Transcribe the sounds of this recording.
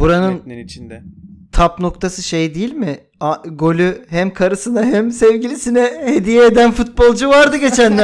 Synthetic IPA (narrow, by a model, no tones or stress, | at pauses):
buɾanɯnt͡ʃnɛt̪ʰapno̞kt̪ʰasɯʃejd̪ijilʲmɪ | aɡo̞lʲyhæmkʰaɾɯsɯnaɦæmsevɟilʲisinɛhed̪ijɛːd̪ænfut̪̚bo̞lˠd͡ʒuvaɾd̪ɯɟe̞t͡ʃʰænlʲæ